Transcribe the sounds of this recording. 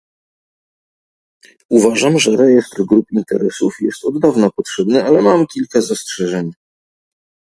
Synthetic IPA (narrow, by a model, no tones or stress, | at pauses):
uvaʐamʐɛɾɛjɛst̪ɾɡɾupint̪ɛɾɛsufjɛst̪ɔd̪d̪avnapɔtʂɛbnɘalɛmamkʲilkazastʂɛʐɛɲ